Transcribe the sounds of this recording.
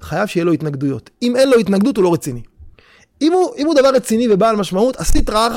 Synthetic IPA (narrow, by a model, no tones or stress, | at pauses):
χajavʃejelo̞it̪naɡd̪ujo̞t̪ime̞nlo̞it̪naɡd̪ut̪ulo̞ʁet͡sini | imuʔimud̪avaʁːet͡sinivebaːlmaʃmaut̪asit̪ʁaaχ